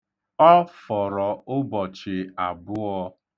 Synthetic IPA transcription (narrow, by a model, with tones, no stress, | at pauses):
ɔ˦fɔ˨ɾɔ˨ʊ˦bɔ˨t͡ʃɪ˨a˨bʊ˦ɔ˦